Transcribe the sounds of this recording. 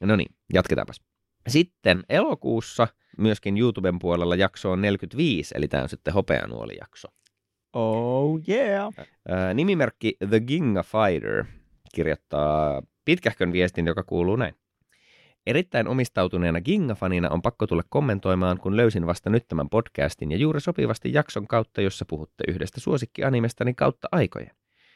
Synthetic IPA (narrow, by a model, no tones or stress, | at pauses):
nonḭːnjɑt̪ket̪ɑ̰ːmpɑ̥s | sit̪ːenʔelokuːsːɑ | myøskinjuːt̪ubempuolelːɑjɑkso̞ːnne̞lkyt̪ʋiːsḛlit̪æ̰ːo̰nsit̪ːeɦo̞pḛɑ̰nṵo̰lḭjɑ̰kso | owjæː | nimimerkːiðəɡiŋːɑfɑjɾə̰ɹ | kirjo̰t̪ːɑːpit̪kæhkønʋiest̪injokɑkuːluːnæin | e̞ɾit̪ːæinʔo̞mist̪ɑwt̪une̞ːnɑɡiŋːɑfɑninɑ̰ʔo̞mpɑkːot̪ulːɑkkːo̞mːe̞nt̪o̞jmɑːŋkunløysinʋɑst̪ɑnyt̪ːæmæ̰mpo̞d̥kæ̰ːst̪injɑjuːɾisopḭʋɑst̪ḭjjɑksoŋkɑwt̪ːɑjo̞sːɑpuhut̪ːḛʔyhdest̪æsuo̞sikːiʔɑnimest̪ɑnikɑ̰wt̪ːɑʔɑjko̰jen